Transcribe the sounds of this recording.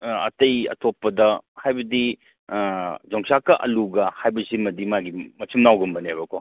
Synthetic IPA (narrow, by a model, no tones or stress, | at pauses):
ɐ̰tɐjɐ̰tʰopːɐdɐhajbɐdi | d͡ʒɔŋsakɐʔɐluɡɐhajbɐzimɐdimaɡimɐt͡ʃʰumnawɡumbɐniajbɐkʰɔ